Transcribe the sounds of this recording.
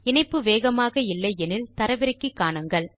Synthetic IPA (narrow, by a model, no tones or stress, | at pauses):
ɪɳɐɪpːɯʋeːɣɐmaːɣɐɪlːɐɪɛnɪlt̪ɐɾɐʋɪɾɐkːɯkːaːɳɯŋɡɐɭ